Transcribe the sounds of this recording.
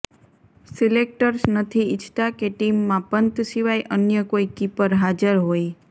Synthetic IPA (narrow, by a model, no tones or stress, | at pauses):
silek̚ʈəɾsnət̪ʰiɪt͡ʃʰt̪akeʈimːãpənt̪ʃiʋajʔənjəkoikipəɾɦad͡ʒəɾɦoj